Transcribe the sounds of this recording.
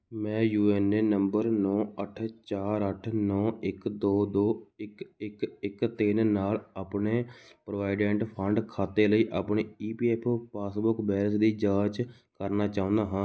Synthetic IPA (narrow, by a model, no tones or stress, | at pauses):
mɛ̃ːjuːɛːneːnəmbəɾnɔːəʈʰt͡ʃaːɾəʈʰnɔːɪkd̪oːd̪oːɪkɪkɪkt̪eːnnaːlaːpɳeːpɾoʋaːɪɖɛ̃ːɳʈpʰəɳɖkʰaːt̪eːləiːʔaːpɳeːiːpiːɛːpʰpaːsbʊkbɛːɾəsd̪iːd͡ʒaːd͡ʒ | kəɾnaːt͡ʃaːʊ̃nd̪aːɦãː